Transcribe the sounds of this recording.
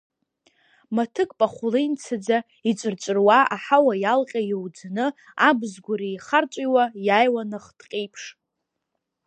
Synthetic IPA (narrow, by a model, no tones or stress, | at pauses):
matʰɨkʼpʼaχʷʊlejnt͡sʰad͡za | it͡ʃʷʼɨrt͡ʃʷʼɨrwaʔaħawajalqʲʼajiwd͡znɨ | abzɡʷʊɾijχart͡ʃʷʼiwajajwanɨχd̥qʲʼejpʰʂ